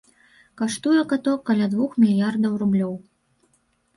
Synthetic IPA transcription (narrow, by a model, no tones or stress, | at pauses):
kaʂt̪ujɛkat̪ɔkːalʲad̪vuxmʲilʲjard̪ɐwrublʲɔw